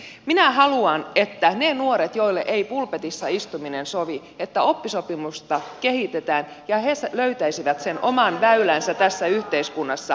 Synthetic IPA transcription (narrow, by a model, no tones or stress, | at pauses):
minæhɑluɑnet̪ːænenuoɾet̪joilːḛʔeipulpet̪isːɑist̪uminensoʋi | et̪ːæo̞pːisopimust̪ɑkehit̪et̪æːn | jɑhesløyt̪æisiʋæt̪senʔo̞mɑnʋæylænsæt̪æsːæyht̪eiskunːɑsːɑ